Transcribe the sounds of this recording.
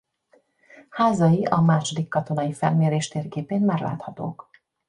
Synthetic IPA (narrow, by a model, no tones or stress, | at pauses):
haːzɒjiʔɒmaːʃo̞d̪ikːɒt̪o̞n̪ɒjifɛlmeːɾeːʃt̪eːrɡeːpeːnmaːrla̰ːt̪hɒt̪o̰ːk